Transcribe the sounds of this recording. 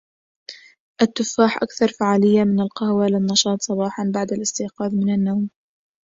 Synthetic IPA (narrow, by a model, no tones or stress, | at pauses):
ʔat̪ːʊfːaːħʔa̰kθɑɾˤfaʕaːlɪjːamɪnalqɑhwalɪnːɑʃɑːt̪ˤsˤɑbɑːħɑnbaʕd̪alɪst̪ɪːqɑːðmɪnanːawm